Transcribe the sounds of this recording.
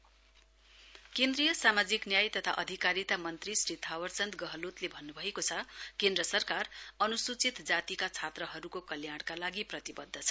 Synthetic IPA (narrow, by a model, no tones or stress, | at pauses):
kend̪rijʌsamad͡ziknjajt̪ʌt̪ʰaʔʌd̪ʱikaɾit̪amʌnt̪risrit̪ʰawʌrt͡sʌnt̪ɡʌɦʌlot̪lebʱʌnːubʱʌekot͡sʰʌkẽnd̪rʌsʌrkarʌnusut͡sit̪d͡zat̪ikat͡sʰat̪rʌɦʌɾukokʌljaɽ̃kalaɡiprʌt̪ibʌd̪ʱːʌt͡sʰʌ̥